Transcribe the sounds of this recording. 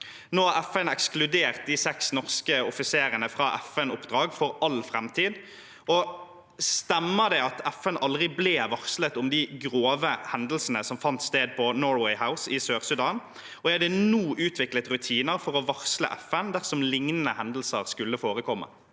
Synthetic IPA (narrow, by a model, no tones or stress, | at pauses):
noːɑæfɛnɛksklʉd̪eːʁt̪̚d̪ɪsɛksnɔʁskəɔfɪseːɾənəfʁɑːʔɛfɛnʊpːd̪ɾɑːɡfɔɾɑlfʁɛmt̪ʰiːd̪ | ɔ | st̪ɛmːəd̪ɛɪɑt̪ɛfɛnʔɑld̪ʁɪbleːʋɑʁslət̪ʊmd̪ɪɡʁoːʋəhɛnd̪l̩sənəsɔmfɑnt̪st̪eːd̪̚pʰɔnoːɹwɛɪhaʊsɪsøːʁsʉd̪ɑːn | ɔɛd̪ɛnuːʔʉːt̪ʰʋɪklət̪ʁʉt̪ʰiːnəʁfɔʁɔʋɔʁslə̰ʔɛfənd̪æʁsɔmlɪŋnənəhɛnd̪l̩səʁskʉlːəfoːʁəkʰɔmːə̰